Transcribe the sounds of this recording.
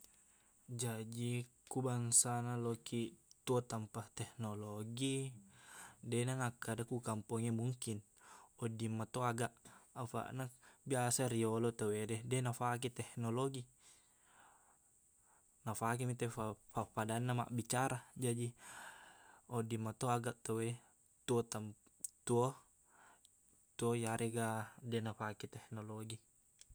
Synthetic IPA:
d͡ʒad͡ʒikubaŋsanalɔkʰit̪uɔt̪ampaht̪ɛhnɔloɡi | dɛnaŋakːadakukampɔŋemuŋkin | ɔdimːat̪oaɡaʔafa̰ʔnabiasaɾiɔlɔt̪awedɛdɛnafak̬it̪ɛhnɔloɡi | nafak̬imit̪aapapadanːama̰ʔbit͡ʃaɾad͡ʒadi | ɔdimːat̪oaɡaʔt̪awe | t̪uɔt̪am | t̪uɔ | t̪uojaɾɛɡadɛnafakit̪ɛhnɔloɡi

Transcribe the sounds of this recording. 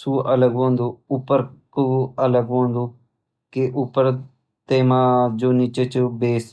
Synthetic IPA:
suːʔələɡɦõːnd̪oːʊpːəɾkuələɡɦõːnd̪oː | keʔʊpːəɾ | t̪eːmãːd͡ʒoːnit͡ʃet͡ʃbeːs

